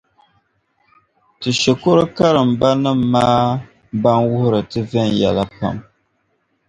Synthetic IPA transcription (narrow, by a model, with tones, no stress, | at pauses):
tɨ˨ʃɛ˨kʊ˦ɾɨ˦ka˦ɾɨ˨m̩˨ba˦nɨ˦m̩ː˦aː˦ | ba˦nwʊ˦hʊ˦ɾɨ˨tɨ˦vɛ˦njɛ˨la˦pa̰˦m